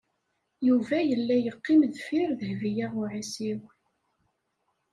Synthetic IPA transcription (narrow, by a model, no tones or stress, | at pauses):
juvæjəlːæjəqːɪmðfiɾðəhvijaʁʊʕisiw